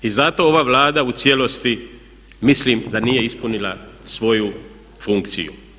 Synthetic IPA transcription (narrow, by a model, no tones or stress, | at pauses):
izat̪o̞oʋaːʋlaːd̪aut̪sje̞lo̞st̪i | mislimd̪aniːje̞ispunilasʋo̞ju | fuŋkt̪sḭjṵ